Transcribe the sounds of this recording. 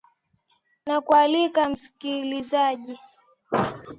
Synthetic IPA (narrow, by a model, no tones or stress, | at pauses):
nakualikam̩si̥kilizaʄi